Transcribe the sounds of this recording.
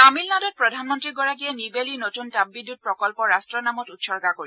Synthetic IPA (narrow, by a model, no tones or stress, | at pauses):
amilnadɔt̚pɹɔdʱanmɔntɹiɡɔɹak̬iɛnibelinotuntabbidːut̚pɹɔkɔlpɔɹastɹɔnamɔtutsɔɹɡakoɹi